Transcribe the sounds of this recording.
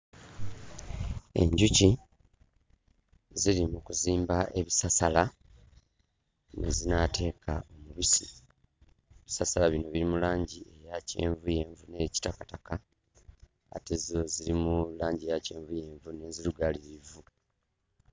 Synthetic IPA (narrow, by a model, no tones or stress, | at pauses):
e̞̰ɲɟuci | ziɾimukuziːmbaʔe̞βisasala | ne̞̰zinatʰe̞ːkʰao̞muβisi | eβisasalaβino̞βiɾimulaːɲɟie̞jace̞̰ːɱvuje̞ːɱvune̞ci̥takataka | a̰te̞zoziɾimulaːɲɟejace̞ːɱvuje̞ːɱvune̞ziɾuɡaliɾivu